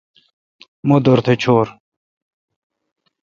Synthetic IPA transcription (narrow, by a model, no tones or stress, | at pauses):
mod̪oɾt̪ʰet͡ɕʰoːɾ